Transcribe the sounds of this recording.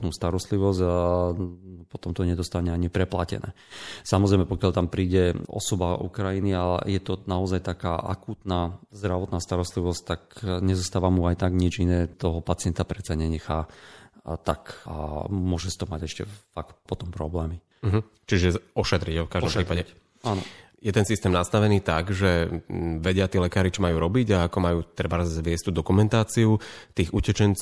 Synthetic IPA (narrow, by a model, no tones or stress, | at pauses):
nuːst̪aɾɔst̪liʋɔzɟa | pɔt̪ɔmt̪ɔɲɛd̪ɔst̪aɲɛaɲipɾɛpla̰cɛ̰nɛ̰ː | samɔzɾɛjmɛpɔkɪjaʎt̪ampɾiːɟɛɔ̰sɔbaʔṵkɾajinia̰jɛt̪ɔnaɔzajt̪aka̰ːʔa̰kuːt̪naːzd̪ɾaʋɔt̪naːst̪aɾɔst̪liʋɔst̪akɲɛzɔst̪aːʋamuajt̪aɡɲid͡ʒinɛːt̪ɔɦɔpat͡sɪɛnt̪apɾɛt͡saɲɛɲɛxaː | t̪aka̰mʊɔʒɛsi̥t̪ɔmaɟɛʃcɛ̰fakt̪pɔt̪ɔmpɾɔblɛːmi | ɦ̩ | t͡ʃiʒɛɔʃɛt̪ɾiɟfkaʒdd̪ɔmpɾiːpaɛ | anɔ | jɛt̪ɛnsist̪ɛːmnast̪aʋɛniːt̪aɡʒɛʋɛɟɪat̪iɛlɛkaːɾit͡ʃɔmajuːɾɔbiɟaakɔmajuːt̪ɾɛbazʋɪɛsct̪uːd̪ɔkumɛnt̪aːt͡siut̪iːɣucɛt͡ʃɛnt͡s